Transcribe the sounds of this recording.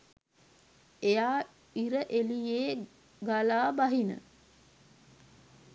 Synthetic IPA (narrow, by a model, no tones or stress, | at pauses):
ejaː | iɾəʔelijeː | ɡalaːbaɦinə̰